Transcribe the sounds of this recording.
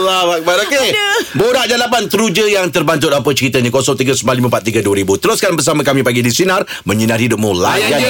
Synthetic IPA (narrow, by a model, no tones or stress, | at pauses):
labak̚baɾokebodaʔd͡ʒalapant̪əɾud͡ʒəjaŋt̪ərbant̪̬ʊt̪ap̬ət͡ʃəɾit̪əɲãkosɔʔ̚t̪iɡəsəmbaliməmpat̪̚ːiɡəduəɾibut̪əɾʊskanbərs̬amãkamĩpaɡidisinar | mə̃ɲinarhidʊp̚mũlajja